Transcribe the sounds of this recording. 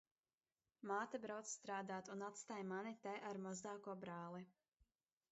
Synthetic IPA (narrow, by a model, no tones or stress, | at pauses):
maːt̪abɾawt̪sst̪ɾaːd̪aːt̪unat̪st̪aːjmanit̪ajʔaɾmɔzd̪aːkuɔbɾaːlˠi